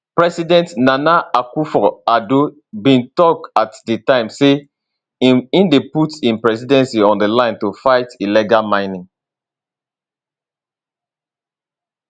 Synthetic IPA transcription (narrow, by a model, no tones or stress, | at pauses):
pɹɛsidɛ̃ntnanaakufɔado | bĩntɔk̚tatdətãɪ̃mse | iĩndeputĩnpɹɛsidɛ̃nsiɔ̃ndəlãɪ̃ntufaɪtiliɡalmãɪnĩŋ